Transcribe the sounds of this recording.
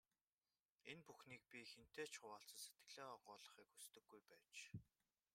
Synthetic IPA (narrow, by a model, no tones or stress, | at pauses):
enpuxniːk̚pʲixen̥t̪eːt͡ɕʰχʊwaːɬt͡sə̆set̪ɡɘ̆ɮeːɔʁʊːɮə̆χiːkust̪ɘ̆ɡːujpæːt͡ɕ